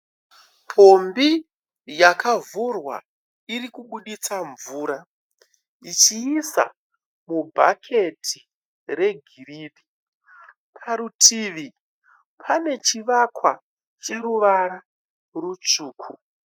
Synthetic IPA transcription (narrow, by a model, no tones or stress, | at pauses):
pʰombi | jakavurwa̰ | irikuɓuɗit͡saɱvuːɾa | it͡ʃiːsa̰ | mubʱa̰kʰe̞tʰi | re̞ɡʱiriːɗi | pʰaɾutʰiʋi | pʰane̞t͡ʃiʋakwa | t͡ʃe̞ruʋaɾa | rut͡ʂuːkʰu